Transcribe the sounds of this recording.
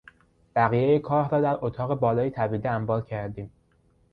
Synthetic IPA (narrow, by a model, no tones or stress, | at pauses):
b̥æɣiːjejekʰɒːɾhɾɒːd̪æɾʔot̪ʰɒːɣe̞bɒːlɒːjit̪ʰæbiːd̪eæmbɒːlcʰæɾd̪iːm